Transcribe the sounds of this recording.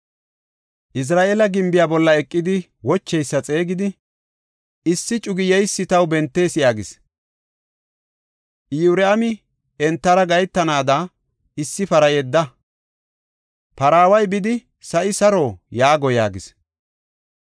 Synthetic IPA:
ʔɪs̬ɾaːʔeːlɐɡɪmbɪjaːbɔlːɐɛkʼːɪd̪ɪ | wɔt͡ʃːɛjsːɐt͡sʼe̞ːɡɪd̪ɪ | ɪsːɪt͡ʃʼʊɡɪjɛjsːɪt̪ɐwbɛnt̪ːe̞ːsɪjaːɡɪs | ʔjuːɾɛɐmɪ | ɛnt̪ːɐɾɐɡɐjt̪ːɐnaːd̪ɐ | ɪsːɪfɐɾɐjɛd̪ːɐ | pɐɾaːwɐjbɪd̪ɪ | sɐʔɪsɐɾojaːɡɔja̰ːɡɪs

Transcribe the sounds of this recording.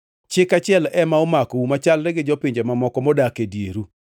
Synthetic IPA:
t͡ʃɪkat͡ʃɪɛlɛmaɔmakoumat͡ʃalɾɛɡɪd͡ʒɔpiɲd͡ʒemamɔkɔmɔdakedjeɾu

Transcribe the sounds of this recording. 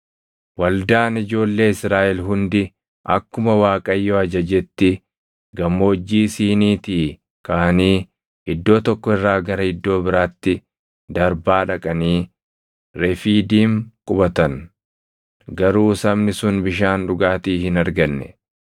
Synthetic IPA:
wɐld̪aːnɪd͡ʒo̞ːlːe̞ːɪsɾaːʔɛlɦʊnd̪ɪ | ʔɐ̰kːʊmɐwaːkʼɐjːoːɐd͡ʒɐd͡ʒɛt̪ːɪ | ɡɐmːo̞ːd͡ʒːiːsiːniːt̪iː | kaɐniː | ɪd̪ːo̞ːt̪ɔkːɔɪrːaːɡɐɾɐɪd̪ːo̞ːbɪɾaːt̪ːɪ | d̪ɐɾbaːᶑɐkʼɐniː | ɾɛfiːd̪iːŋkʼʊbɐt̪ɐn | ɡɐɾuːsɐbnɪsʊnbɪʃaːnᶑʊɡaːt̪iːhɪnɐɾɡɐnːɛ̰

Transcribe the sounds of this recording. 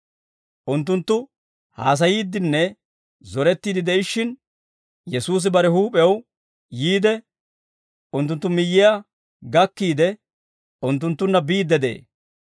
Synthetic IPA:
ʔʊnt̪ːʊnt̪ːʊ | ha̰ːs̬ɐjiːd̪ɪnːɛ | zɔɾɛt̪ːiːd̪ɪd̪ɛɪʃːɪn | jɛsuːs̬ɪbɐɾɛhuːpʼɛw | jiːd̪ɛ | ʊnt̪ːʊnt̪ːʊmɪjːɪja | ɡɐkːiːd̪ɛ | ʊnt̪ːʊnt̪ːʊnːɐbiːd̪ːɛd̪ḛː

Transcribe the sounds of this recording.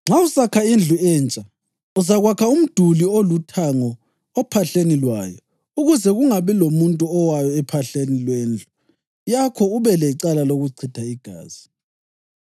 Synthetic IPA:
ŋ͡ǁʱausakʰaind͡ɮʱuɛːnt͡ʃʼa | uzaɣwakʰaum̩d̥ʱuliolutʰaŋɔ | ɔpʰaɬenilwaːjɔ | uɣuzɛɣuŋaβilomuntʼuɔwajɔɛpʰaɬenilweːnd͡ɮʱu | jakʰɔuβɛlɛiǀalaloɣuǀʰitʰaiɡ̥ʱa̰ːz̥i

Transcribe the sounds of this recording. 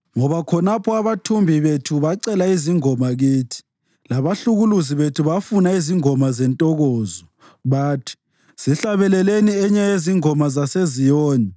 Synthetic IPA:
ŋɔβakʰɔnapʰɔaβatʰumbʱiβetʰuβaǀɛlaiziŋɔmaɣiːtʰi̥ | laβaɬuɣuluziβetʰuβafunaiziŋɔmazɛntʼɔɣɔːzɔ | βaːtʰi̥ | siɬaβɛlɛleniɛɲajeziŋɔmazasezijɔːnɛ

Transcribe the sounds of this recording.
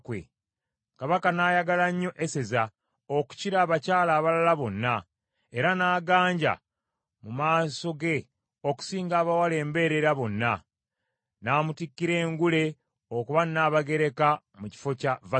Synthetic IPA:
kwḛ | kaβakanaːjaɡalaɲːo̞ʔeseza | oku̥ciɾaːβacaːlaːβalalaβo̞nːa | e̞ɾanaːɡaːɲɟa̰ | mumaːso̞ɡe̞ | o̞ku̥siːŋɡaːβawale̞ːmbe̞ːɾe̞ɾaβo̞nːa | naːmutikːiɾe̞ːŋɡule̞ | okuβanːaːβaɡe̞ɾe̞ka | muci̥fo̞cava

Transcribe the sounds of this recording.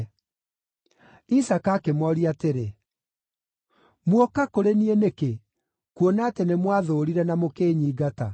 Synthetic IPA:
isakakemwɔɾiateɾe | mwɔkakoɾenieneke | kuonaːtenemwaðoːɾiɾɛnamokeːɲiːɡata

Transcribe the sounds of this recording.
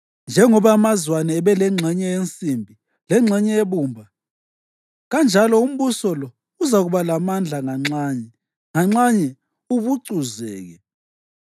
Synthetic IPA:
nd͡ʒʱɛŋɔβaːmazwanɛːβɛlɛŋ͡ǁʱɛɲɛent͡sʼimbʱi | lɛŋ͡ǁʱɛɲɛeβuːmbʱa | ɣand͡ʒʱalɔum̩βusɔlɔ | uzaɣuβalamand͡ɮʱaŋaŋ͡ǁaːɲɛ | ŋaŋ͡ǁaɲɛ | uβuǀuzɛ̰ːɣɛ

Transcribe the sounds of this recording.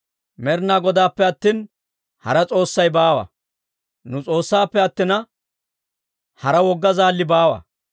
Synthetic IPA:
mɛɾnaːɡɔd̪aːpːɛɐt̪ːiːn | hɐɾɐt͡sʼo̞ːsːɐjbaːwɐ̰ | nʊt͡sʼo̞ːsːaːpːɛɐt̪ːɪnɐ | hɐɾɐwɔɡːɐzaːlːɪbaːwɐ̰

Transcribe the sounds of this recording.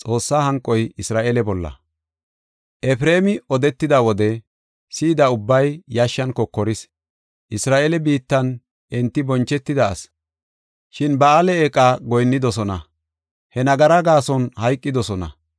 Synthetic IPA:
t͡sʼo̞ːsːaːhɐŋkʼːɔjɪsɾaːʔelɛbɔlːɐ̰ | ʔɛfɾeːmɪɔd̪ɛt̪ːɪd̪ɐwɔd̪ɛ | siːd̪ɐʊbːɐjjɐʃːɐnkɔkːɔɾɪs | ʔɪsɾaːʔelɛbiːt̪ːɐn | ʔɛnt̪ːɪbɔnt͡ʃːɛt̪ːɪd̪ɐɐ̰s | ʃɪnbɐalɛekʼːaːɡɔjnːɪd̪ɔsɔnɐ | hɛnɐɡɐɾɐɡaːsɔnhɐjkʼːɪd̪ɔsɔnɐ̰

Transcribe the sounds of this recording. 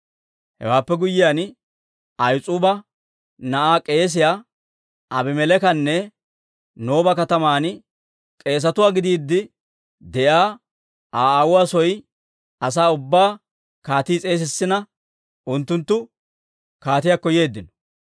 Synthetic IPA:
hɛ̰waːpːɛɡʊjɪjaːn | ɐjt͡sʼuːbɐ | nɐʔaːkʼe̞ːs̬ɪjaː | ʔɐbɪmɛlɛkɐnːɛ | no̞ːbɐkɐt̪ɐmaːn | kʼe̞ːs̬ɐt̪ʊwaːɡɪd̪iːd̪ːɪ | d̪ɛʔaː | ʔaːaːwʊwaːsɔj | ɐs̬aːʊbːaː | kaːt̪iːt͡sʼe̞ːs̬ɪsːɪnɐ | ʔʊnt̪ːʊnt̪ːʊ | kaːt̪ɪjaːkːɔje̞ːd̪ːɪnɔ̥

